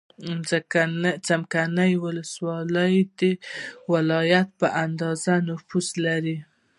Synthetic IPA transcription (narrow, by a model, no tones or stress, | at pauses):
kat͡samkanəjwʊləswɑləjd̪ewɪlɑjat̪̚pəʔand̪ɑzanʊfuslaɾi